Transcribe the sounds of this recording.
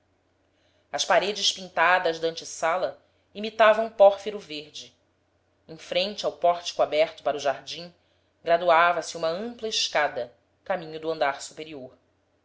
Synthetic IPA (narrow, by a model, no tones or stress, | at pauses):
ɐʃpaɾed͡ʒɪʃpĩnt̪ad̪ɐzd̪ɐ̃nt͡ʃɪsalɐ | imit̪avɐ̃wũpɔɾfeɾuveɾd͡ʒɪ | ẽfɾẽnt͡ʃɪawpɔɾt͡ʃi̥kuabɛɾt̪ʊpaɾʊʒaɾd͡ʒĩ | ɡɾad̪uavɐsɪũmɐə̃mplɐɪʃkad̪ɐ | kamĩɲʊd̪uɐ̃nd̪aɾsu̥peɾioɾ